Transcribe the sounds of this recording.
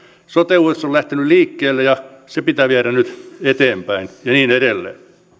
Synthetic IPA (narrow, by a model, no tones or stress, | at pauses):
sot̪euesːollæht̪enylliːkːeːlːejɑsepit̪æːʋiæɾænyt̪et̪eːmpæinjɑniːneɾelːḛː